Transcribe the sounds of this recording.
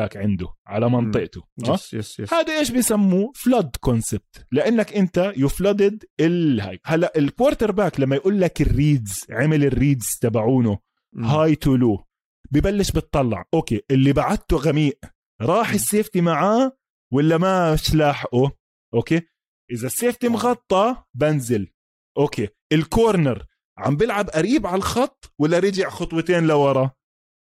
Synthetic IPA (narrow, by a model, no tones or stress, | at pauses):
aːkʕɪnd̪ʊʕalamɑnt̪ˤɨʔt̪ʊʔaːhaːd̪aʔeːʃbɪjsamːuflad̪konsɪb̥̚t̪lɪʔanːakʔɪnt̪ajɪflɑd̪ɪd̪ɪlha̰ːjhalːaʔɪlkwoːɾˤt̪ɑɾˤbaːklamːajʔuːlːakɪrːiːd̪zʕamɪlɪrːiːd̪z̥t̪abaʕuːnu | haːjt̪uluː | bɪjbalːɪʃbɨt̪ˤːɑlːɑ̰ʕʔoːkeːʔɪlːibaʕad̪̚t̪uɣamiːʔ | ɾˤɑːħɪsːeːft̪imaʕaː | walːamaʃlaːħʔu | ʔoːkeː | ʔɪðasːeːft̪imɣɑt̪ˤːɑbanzɪl | ʔoːkeːʔɪlkoːɾnɪɾ | ʕa̰mbɪlʕabʔaɾiːbʕalaxɑt̪ˤːwalːaɾɪd͡ʒɪʕxʊt̪ˤwɨt̪eːnlawɑɾˤɑ